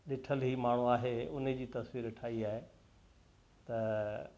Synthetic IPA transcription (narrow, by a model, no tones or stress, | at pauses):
ɗɪʈʰəlɦiːmaːɳ̤uaːɦeʊnd͡ʑiːt̪ɐsʋiːɾʈʰaːiaːɦe | t̪ɐ